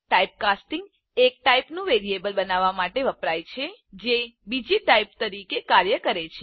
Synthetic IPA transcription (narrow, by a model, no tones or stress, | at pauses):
ʈaip̚kasʈĩŋɡ | ek̚ʈaipnũʋeɾiebəlbənaʋamaʈeʋəpɾajt͡ʃʰed͡ʒebid͡ʒiʈaip̚t̪əɾikekaɾjəkəɾet͡ʃʰe